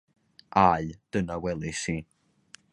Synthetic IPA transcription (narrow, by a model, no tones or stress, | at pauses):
ʔajd̥ənawɛlˠɨsiː